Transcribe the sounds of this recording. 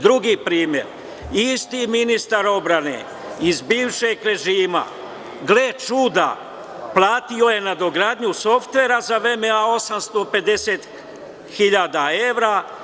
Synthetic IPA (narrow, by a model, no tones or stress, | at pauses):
d̪ɾuɡiːpɾiːmje̞̰ɾ | ist̪iminist̪aɾo̞bɾanḛ | izbiːʋʃe̞ɡɾe̞ʒiːma̰ | ɡlet͡ʃud̪a̰ | plˠaːt̪io̞je̞nad̪o̞ɡɾaːd̪ɲuso̞ft̪ʋe̞ɾazaʋɾe̞meao̞samst̪o̞pe̞d̪e̞se̞ːt̪ | xiʎaːd̪ae̞ʋɾa